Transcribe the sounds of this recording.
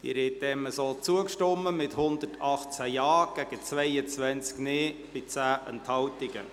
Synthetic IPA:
d̪̥ḭɾɛtdɛməsoːt͡suəkʃtɔmːəmɪthʊnd̪ətʰɑχt͡sæjɑːɡ̥ɛɡ̥ət͡svɛɪət͡sʋɛnt͡skneːb̥ɪt͡sæːʔə̰nthɑwtɪɡ̥ə̰

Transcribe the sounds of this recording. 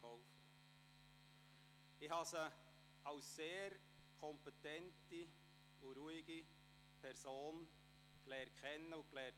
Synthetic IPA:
ɔʊfə | ɪhɑsə | ɑʊsːeːɾ | kʰɔmpetɛnti | uɾuɪiɡ̥i | pʰɛɾsoːn | klɛːt̚kχɛnːəʊklɛː

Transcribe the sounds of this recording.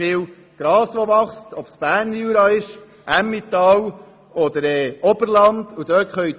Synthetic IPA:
ɪw | ɡ̥ɾɑːsʋɔʋɑχstɔpsb̥æːɾnuːɾɑːɪʃ | ʔæmːit̪ɑːw | ɔd̪əɾɛːɔb̥əɾlɑnd̪̥ud̥̪øːkχœjt

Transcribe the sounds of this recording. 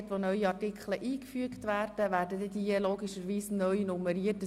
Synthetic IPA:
tʋonœʏiɑtikχləʔiːkfyəktʋæːrd̥əʋæːɾdədɛdiəloːɡiʃəɾʋiːsnœʏnuməɾiətə

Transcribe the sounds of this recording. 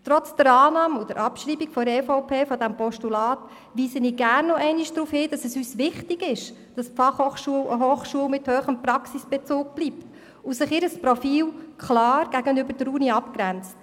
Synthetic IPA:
tɾɔt͡sd̥əɾɑːnɑːmʊd̥əɾʔɑpʃɾiːbiɡfɔdəɾɛfɔʊpʰeːfɔdæmpʰɔʃtulɑːt | ʋiːsəniːɡærnːɔʔɛɪniʃd̥ɾuːfhɪːd̥ɑsɛsyːsʋɪχtɪɡɪʃ | d̥ɑspfɑχhoχʃuələɦoːχʃuəlmɪthøːχəmprɑksisb̥ɛt͡suːk̚b̥lipt | usɪχɪɾəspɾɔfiːlkχlɑːɾɡ̥æɡənʏbəɾd̥əɾuːniɑpkɾænt͡s

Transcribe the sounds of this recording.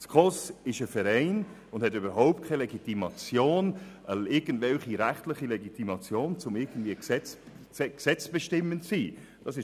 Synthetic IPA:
skʰɔsɪʃəfɛɾɛɪn | ʊnd̥hɛtyːbəɾɦaʊp̚t̚kʰaɪleɡitimɑt͡sjoːnʔəɪɐɡ̥ən̩dvɛlχiɾɛχtlɪχileɡitimɑt͡sjoːnt͡sʊmɪɡən̩dviːəsɛt͡s | ɛksɛt͡sb̥əʃtɪmːəntsiː | d̥ɑsɪʃ

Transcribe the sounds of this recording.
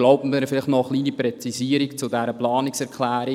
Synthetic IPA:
loʊbn̩vɛnəfɪlɪχtnɔəχliːniprɛt͡siziːəɾikt͡sʊdɛɾəplɑːnɪksɛɾkʰlæːɾi

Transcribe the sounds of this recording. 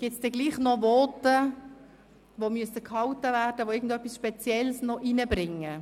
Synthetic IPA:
ɡ̥ɪtsd̥ɛɡliːχnɔʋɔːtə | ʋomyəsəkhɑwtəvæːrd̥əʋoɪɡən̩dœpːisʃpɛt͡sjɛlsnɔʔinəbrɪŋːə

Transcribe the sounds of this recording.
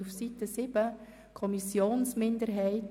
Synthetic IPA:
ufsitəsɪb̥ə | kʰɔmisjoːnsmɪndəɾɦɛɪt

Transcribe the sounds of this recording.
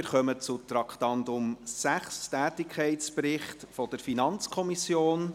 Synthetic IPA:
ɪɾχœmət͡sʊtɾɑkχtɑndʊmsæχstæːtɪkʰɛɪtt͡spɾɪχtfɔd̥əɾfinɑnt͡skʰɔmisjoːn

